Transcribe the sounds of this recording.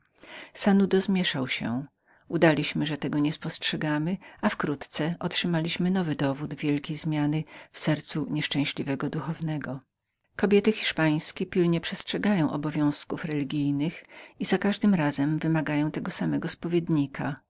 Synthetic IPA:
sanud̪ɔzmʲjɛʂawɕɛ̰ | ud̪alʲiɕmɘʐɛt̪ɛɡɔɲɛspɔstʂɛɡamɘafkɾut̪t̪sɛʔɔtʂɘmalʲiɕmɘnɔvɘd̪ɔvud̪vʲjɛlkʲejzmʲjanɘfsɛɾt̪suɲɛʂt͡ʂɛ̃w̃ɕlʲivɛɡɔd̪uxɔvnɛɡɔ | kɔbʲjɛt̪ɘxʲiʂpaj̃skʲɛpʲilɲɛpʂɛstʂɛɡajɔ̃w̃ʔɔbɔvʲjɔ̃w̃skufɾɛlʲiɡʲijnɘxizakaʐd̪ɘmɾazɛmvɘmaɡajɔ̃w̃t̪ɛɡɔsamɛɡɔspɔvʲjeɛd̪ɲikʰa̰

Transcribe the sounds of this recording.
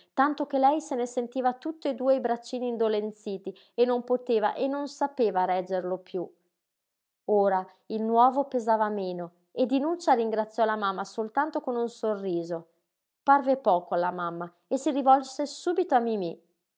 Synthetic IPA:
t̪ant̪ok̟elɛjsenesent̪iːvat̪ut̪ːoed̪uːeibɾat͡ʃːiːniːnd̪olent̪siːt̪i | enːompot̪eːva̰ʔenːonsapeːvaɾɛd͡ʒːerlopju | oːɾa | ilnwɔːvopezaːvameːno | ed̪inut͡ʃːaɾiŋɡɾat̪sːjɔlamamːasolt̪ant̪okonunsorːiːzo | parvepɔːkoalːamamːa | esirivɔlsesuːbit̪oamimi

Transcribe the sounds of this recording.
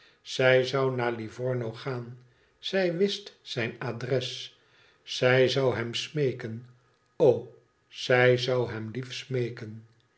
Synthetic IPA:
z̥ɛjzɑwnaːɹlivɔɹnowχaːn | z̥ɛjʋɪstsɛjnadrɛs | sɛjzɑwɦɛmsmejkən | ow | z̥ɛjzɑwɦɛmlifsmejkən

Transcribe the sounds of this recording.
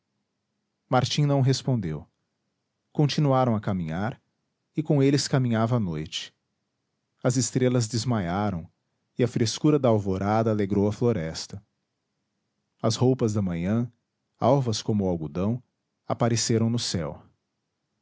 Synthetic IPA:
maɾt͡ʃĩnɐ̃w̃ɦespõnd̪ew | kõt͡ʃinuaɾɐ̃w̃ɐkamĩɲaɾ | ɪkõelɪskamĩɲavɐːnojt͡ʃɪ̥ | ɐzɪst̪ɾelɐzd̪ɪzmajaɾɐ̃w̃ | ɪɐfɾeskuɾɐd̪ɐawvoɾad̪ɐːleɡɾowɐfloɾɛst̪ɐ | ɐshowpɐzd̪ɐmɐ̃ɲɐ̃ | a̰wvɐskõmʊawɡud̪ɐ̃w̃ | a̰paɾeseɾɐ̃w̃nʊsɛ̰w

